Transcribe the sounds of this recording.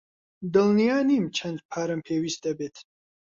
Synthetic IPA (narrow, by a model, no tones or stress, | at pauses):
d̪ɨlnijaːniːmt͡ʃʰɐnd̪̚pʰaːɾɐmpʰeːwiːst̪̚d̪ɐbeːt̪ʰ